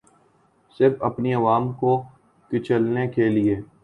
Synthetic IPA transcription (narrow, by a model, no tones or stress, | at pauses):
sɪɾfɐpniɐʋaːmko | kɪt͡ʃəlnekeːlieː